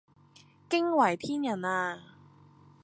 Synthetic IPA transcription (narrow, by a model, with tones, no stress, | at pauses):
kɪ˥ŋwɐ˨˩jpʰiː˥njɐ˨˩naː˧